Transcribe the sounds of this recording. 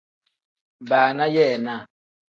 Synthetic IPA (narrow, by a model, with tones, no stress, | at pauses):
ba˨na˦jɛ˦˨na˦˨